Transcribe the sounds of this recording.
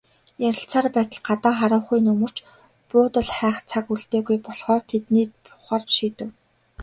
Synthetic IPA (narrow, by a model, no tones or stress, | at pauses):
jæɾʲɪ̆ɬt͡saːrpæːt̪ə̆ɮɢat̪aːχaɾʊːwχujnɵmɵ̆r̥t͡ɕ | pʊːt̪ə̆ɮχæːχt͡sʰakuɮt̪eːɣujpɔɮχɔːrt̪ʰet̪niːt̪̚pʊχaːrʃiːt̪ɘ̆w